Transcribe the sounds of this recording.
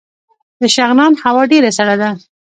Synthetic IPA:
d̪əʃaɣnɑnhawɑɖeɾasaɽad̪a

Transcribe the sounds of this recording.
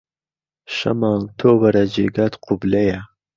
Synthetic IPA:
ʃɐ̰mɑːnt̪ʰoːwɐɾad͡ʒḛːɡaːt̪qʰʊblɐja

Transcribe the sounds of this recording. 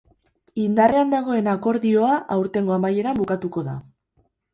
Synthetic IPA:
ind̪are̞and̪aɣ̞o̞e̞nako̞ɾðio̞aʔawɾt̪e̞ŋɡo̞amaje̞ɾambukat̪uko̞ða̰

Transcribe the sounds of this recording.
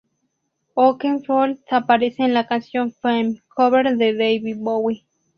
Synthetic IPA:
okeŋfolsapaɾeseenlakansjonfemkʰoβeɾðeðejβibowi

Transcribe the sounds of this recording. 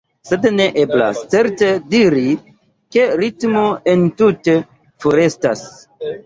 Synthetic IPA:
se̞dne̞ʔebla̰st͡se̞ɾte̞diɾi | ke̞ɾitmoentute | foɾe̞stas

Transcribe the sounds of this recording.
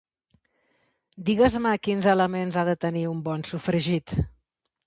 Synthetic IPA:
d̪iɣəzməkinzələmenzaðət̪əniumbɔnsufɾəʒit̪

